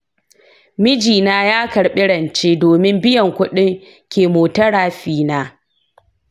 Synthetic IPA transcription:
mɪ˦d͡ʒiː˨naː˦jaː˦kɐ˨ɽɓɪ˦ɽɐ˨nt͡ʃeː˦doː˨mɪ˦mbɪ˦jɐ˨ŋkʷʊ˦ɗɪ˦ŋ | kʲeː˨moː˨tɐ˦ɽaː˨ɸiː˦˨naː˦

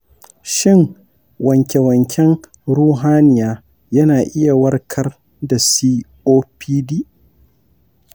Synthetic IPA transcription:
ʃɪ˦ŋ | wɐ˨ŋkʲe˨wɐ˨ŋkʲʰɛ˦ŋ | ɽuː˦ɦaː˦nɪ˨jaː˦ | jɐ˦naː˨ʔɪ˦ja˨wɐ˦rkʰɐ˦r | da˨siː˦ʔoː˦piː˦diː˦

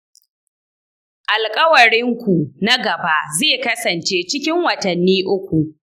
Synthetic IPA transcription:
ʔa˨lkʼɐ˦wɐ˨ɽɪ˦ŋkʷu˨na˦ɡɐ˨ba˦ʔzeː˦˨kɐ˦sɐ˨nt͡ʃeː˦t͡ʃɪ˦kʲɪ˦ŋwɐ˨tɐ˨nːiː˦ʔʊ˦kʷu˨

